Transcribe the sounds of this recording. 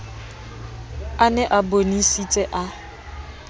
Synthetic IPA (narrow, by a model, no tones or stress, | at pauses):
anɛʔabonisit͡sʼɛʔa